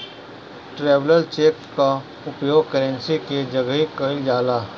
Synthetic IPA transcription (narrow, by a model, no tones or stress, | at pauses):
ʈɾeːʋləlt͡ʃeːkka | ʊpjoːɡ̚kəɾə̃nsiked͡ʒɐɡəɦikəɪld͡ʒaːlaː